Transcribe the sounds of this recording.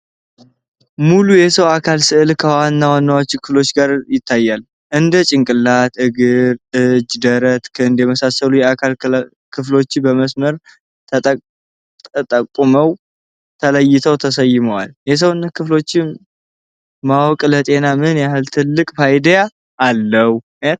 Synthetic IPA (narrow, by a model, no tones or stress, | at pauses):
mulujɛsəwakʰalsɨʔɨlkʰəwanːawanːawot͡ʃːkʰɨflo̞t͡ʃːɡaɾjɪt̪ʰːajːal | ʔɨnd̪ət͡ʃʼɪŋkʼɨlːat̪ʔɨɡɨɾʔɨd͡ʒd̪əɾət̪kʰɨɨnd̪jɛməsasəlujɛakʰal | kʰɨflo̞t͡ʃːɪbəməsməɾʰ | t̪ʼ | ət̪ʼəkʼːuməw | t̪ʰələjːɪt̪ʰəwt̪ʰəsəjːɪməwa̰ljɛs̬əwɨnːəkʰɨflo̞t͡ʃːɪ | mawkʼlət̪ʼe̞namɨnjahɨlt̪ʰɨlːɨkʼfajd̪jaː | lːəwu | et̪